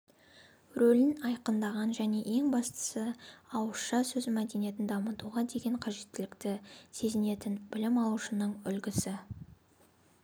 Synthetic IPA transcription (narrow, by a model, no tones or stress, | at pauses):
ɾolɪnɑjqənd̪ɑʁɑnʒæne̞ʔe̞ŋbɑst̪ə̥səɑwəsʃɑsɵzmæd̪e̞nije̞t̪ɪnd̪ɑmət̪uʁɑd̪e̞ɡʲe̞ɴqʰɑʒe̞t̪ːɪlɪkt̪ɪse̞zɪne̞t̪ɪnbɪlɪmɑlˠuʃənəɴʏ̰lɡʲɪsɪ